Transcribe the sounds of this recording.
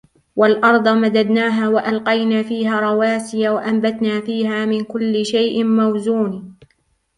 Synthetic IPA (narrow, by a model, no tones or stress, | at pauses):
walʔɑɾˤd̪ˤɑmad̪ad̪naːɦaːwaʔalqɑjnaːfiːɦaːɾˤɑwaːsɪjawaʔambat̪naːfiːɦaːmɪnkʊlːɪʃajʔɪmawzuːniː